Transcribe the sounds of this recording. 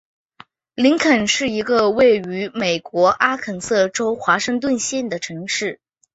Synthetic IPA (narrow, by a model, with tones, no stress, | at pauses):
li˧˥ŋkʰə˨˩nʂɻ̩˥˩i˧˥ɡə˧we˥˩ɪy˧˥me˨˩ɪkwɔ˧˥ʔa˥kʰə˨˩nsɤ˥˩ʈ͡ʂo˥ʊxwa˧˥ʂɤ˥˧ŋt̪̬wə˥˧nɕjɛ˥˩nd̪ə˩ʈ͡ʂʰɤ˧˥ŋʂɻ̩˥˩